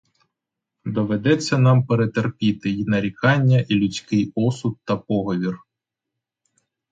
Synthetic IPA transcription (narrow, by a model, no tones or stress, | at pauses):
d̪ɔʋed̪ɛt͡sʲːɐnɑmpeɾet̪erpʲit̪ɪnɐɾʲikɑnʲːɐʔilʲʊt͡sʲkɪjɔsʊt̪̚t̪ɐpɔɦɔʋʲir